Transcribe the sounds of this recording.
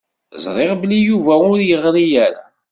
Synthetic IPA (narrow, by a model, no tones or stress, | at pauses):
zˤɾˤeʁblijuvæʊɾjəʁɾˤijæɾa̰